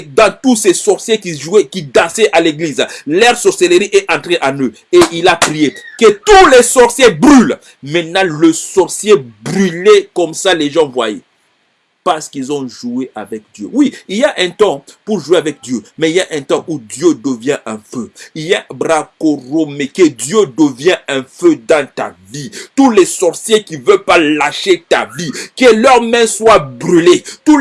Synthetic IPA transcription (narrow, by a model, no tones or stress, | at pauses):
d̪ɑ̃t̪usɛsɔʁsjekiʒuɛkid̪ɑ̃sɛʔaleɡlizlɛʁsɔʁseleʁiʔɛʔɑ̃t̪χeʔɑ̃nø | eʔilapχijekət̪ulesɔʁsjebʁyl | mɛ̃t̪nãləsɔʁsjebʁylekɔmsaleʒɑ̃vwa̰je | paʁsə̥kilzɔ̃ʒueʔavɛk̚d̪jø̰wiiljaʔɛ̃t̪ɔ̃puʁʒueavɛk̚d̪jømɛiljaʔɛ̃t̪ɔ̃ʔud̪jød̪əvjɛ̃ʔɛ̃føiljabʁakoʁomeked̪jød̪əvjɛ̃ɛ̃fød̪ɑ̃t̪a̰vit̪ulɛsɔʁsjekivœlpalaʃet̪avikəlœʁmɛ̃swabʁylet̪u